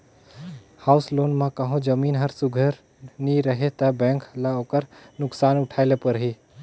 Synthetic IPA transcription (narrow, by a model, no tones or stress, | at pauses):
hauslonmẽkəɦõd͡ʒəminɦəɾsuɡʱəɾ | niɾəɦet̪əbɛ̃ŋklaokəɾnuksanuʈʰaɪlepəɾɦi